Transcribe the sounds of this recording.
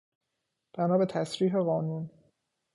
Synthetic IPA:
b̥ænɒːbe̞t̪ʰæsɾiːɦeɣɒːnun

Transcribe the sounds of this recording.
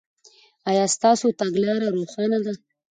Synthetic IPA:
ɑjɑst̪ɑsot̪aɡlɑɾaɾoxɑnad̪a

